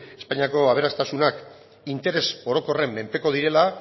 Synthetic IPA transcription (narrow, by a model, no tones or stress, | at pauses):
espaɲiako̞aβ̞e̞ɾast̪asunak | int̪e̞ɾeso̞ɾo̞ko̞re̞mːe̞mpe̞ko̞ð̞iɾe̞la